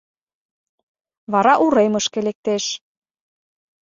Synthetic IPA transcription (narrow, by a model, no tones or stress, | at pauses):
βɑɾɑʔuɾemɤ̆ʃkelek̚t̪eʃ